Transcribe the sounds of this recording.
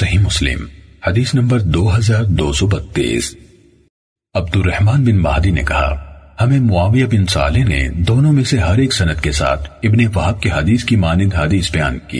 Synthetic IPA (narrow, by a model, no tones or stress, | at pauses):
sɐɦimʊslɪ̰mhɐd̪iːsnɐ̃mbəɾd̪oːɦɐzaːɾd̪oːsɔbɐt̪ːḭːs | ɐb̚d̪ʊrːɐhmaːnbɪnba̰ːd̪inḛkɐɦa̰hɐmẽmʊaːʋijabɪnsa̰ːlenḛd̪oːnõmẽseɦɐɾeːksɐnət̪kesa̰ːt̪ʰɪbneʋɐɦəb̚keɦɐd̪iːskimaːnɪd̪ɦaːd̪iːsbɐja̰ːnkḭː